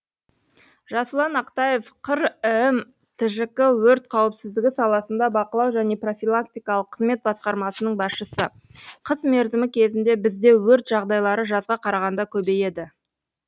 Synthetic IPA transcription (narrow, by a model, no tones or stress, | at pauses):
ʒɑsəlˠɑnɑqt̪ɑje̞fqʰəɾm | t̪ʰɪʒɪkɪwɵɾt̪̚qʰɑwɪpsɪzd̪ɪɡʲɪsɑlˠɑsənd̪ɑbɑqəlˠɑwʒæne̞pro̞fʲilˠakt̪ijkɑlˠəqʰːəzme̞t̪̚bɑsqɑɾmɑsənəɴbɑsʃəsə | qʰəzme̞ɾzɪmɪkʲʰe̞zɪnd̪e̞bɪzd̪e̞wɵɾt̪ʒɑʁd̪ɑjlˠɑɾəʒɑzʁɑqʰɑɾɑʁɑnd̪ɑkʲʰɵbe̞je̞d̪ɪ